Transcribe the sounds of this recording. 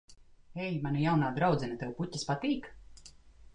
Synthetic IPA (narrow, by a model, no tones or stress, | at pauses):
ɛjmanajawnaːd̪ɾawd̪zʲɛnat̪ɛwpucʲːaspat̪iːk